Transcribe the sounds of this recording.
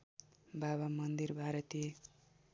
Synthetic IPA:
baβamʌnd̪irbʱaɾʌt̪e

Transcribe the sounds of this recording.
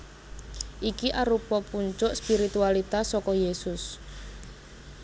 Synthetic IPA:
ʔikiʔaɾupɔpuɲt͡ʃʊʔspiɾit̪ualit̪asɔkɔjesʊs

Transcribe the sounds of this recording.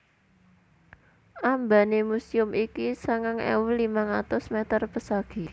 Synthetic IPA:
ʔambanemusiʊmikisaŋaŋḛwlimaŋat̪ʊsmet̪ərpəsaɡ̥i̤

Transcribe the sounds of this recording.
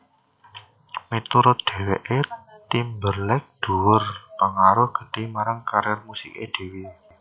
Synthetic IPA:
mit̪uɾʊd̪̥e̤weʔet̪imbərlɛk̚d̪̥ṳwʊrpəŋaɾʊhɡ̥ə̤d̥i̤maɾaŋkaɾjɛrmusikḛd̪̥e̤wi

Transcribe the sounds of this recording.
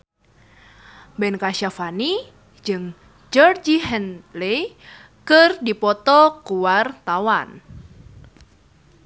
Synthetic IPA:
bɛnkaʃafani | d͡ʒɨŋ | d͡ʒɔrd͡ʒiɦɛnle | kɨrdipɔt̪ɔkuwart̪awan

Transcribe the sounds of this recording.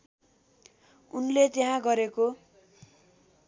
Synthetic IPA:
unlet̪jeɦãɡʌɾeko

